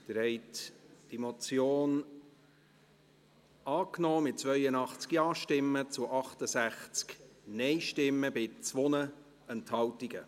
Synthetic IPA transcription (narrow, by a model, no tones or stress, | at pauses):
d̥̪əɾhɛɪtd̥imɔt͡sjoːn | ɑːknɔːmɪt̚t͡svœjənɑχt͡skjɑːʃtɪmːət͡sʊʔɑχtəsæχt͡sknɛɪʃtɪmːəbɪt͡sʋonə | ɛnthɑltiɡə